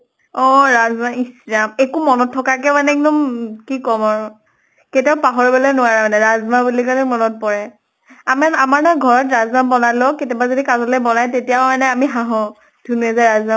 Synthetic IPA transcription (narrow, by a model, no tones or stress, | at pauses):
ɔɹazmaiszamekumɔnɔtʰːɔkakɛmanɛɛk̚dɔmkikɔmaɹʊ | ketiaʊpaɦɔɹbɔlɔjnʊwaɹamanɛɹazmabulikalɛmɔnɔt̚pɔɹɛ | amaamaɹnɔjɡʱɔɹɔtɹazmambɔnalɔketɔbazodikazɔlɛbɔnajtetijamanɛamiɦaɦɔ̃ | dʱuniɛzajɹazma